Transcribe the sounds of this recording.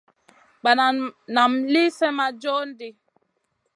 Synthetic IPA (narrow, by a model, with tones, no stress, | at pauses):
ɡ͡ba˨na˨na˨mli˦sɛ˦ma˦d͡ʒɔ˦n̩˦di˦